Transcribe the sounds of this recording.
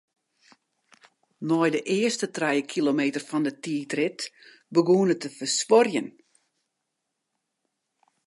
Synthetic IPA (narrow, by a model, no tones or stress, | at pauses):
nɔjdəʔɪəstətrɛjəkʰilomeːtərfɔndətiːtrɪt | bəɡuənətəfəsʋɔrjən